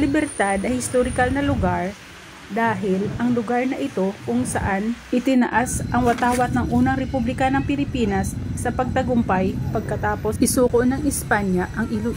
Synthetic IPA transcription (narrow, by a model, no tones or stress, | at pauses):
lɪbɛɾt̪ad̪ɐhɪst̪oɾɪkalnɐlʊɡaɹ | d̪aːɦɪlʔɐŋlʊɡaɹnɐʔɪt̪o̞kʊŋsɐ̰ʔanʔɪt̪ɪnɐʔasʔɐŋwɐt̪aːwɐt̪̚nɐŋʔuːnɐŋɾɛpublɪkanɐŋpɪlɪpiːnɐsːɐpɐɡ̚t̪ɐɡʊmpajpɐɡ̚kɐt̪aːpo̞sʔɪsuːkoʔnɐŋɪspaɲjɐʔɐŋɪ